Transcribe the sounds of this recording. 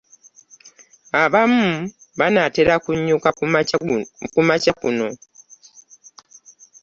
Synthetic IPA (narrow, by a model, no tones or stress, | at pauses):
aβamuβanateɾakuɲːuka | kumacakṵno̞